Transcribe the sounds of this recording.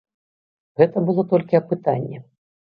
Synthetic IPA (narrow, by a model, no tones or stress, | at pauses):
ɣɛt̪ɐbɨlˠɔt̪ɔlʲkʲiɐpɨt̪anʲːɛ